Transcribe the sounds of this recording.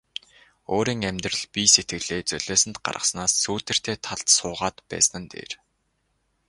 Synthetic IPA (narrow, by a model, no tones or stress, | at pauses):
oːɾiːŋæmʲt̪rə̆ɮpʲiset̪ɡɘ̆ɣɮeːt͡sœɮ̥eːsɘ̆nt̪ɢa̰rʁə̆snaːsːuːt̪ɘ̆r̥t̪ʰeːt̪ʰaɮt̪sʊːʁaːt̪pæ̰ːsnə̆nt̪ḛːr